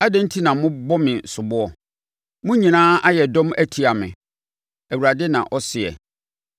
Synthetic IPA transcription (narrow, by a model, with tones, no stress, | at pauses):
a˦dɛ̃˦n̩˦tʰi˦nã˨mʊ̃˦bɔ˦mɪ̃˨sʊ˨bʊ˦ɔ˨ | mʊ̃˦ɲĩ˨nãː˦ʔa˦jɛ˨dɔ̃˦mæ˦tʰi˨a˨mɪ̰̃˨ | æ˨wu˨ɾa˨dɪ˦nã̰˨ʔɔ˦sɪ˨ɛ̰˨